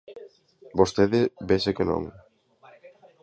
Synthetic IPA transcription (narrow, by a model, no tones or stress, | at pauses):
bost̪eðɪbesekeno̰ŋ